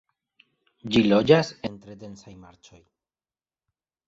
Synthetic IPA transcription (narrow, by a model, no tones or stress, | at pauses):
d͡ʒilo̞d͡ʒase̞ntɾe̞de̞nsajmaɾt͡ʃo̞j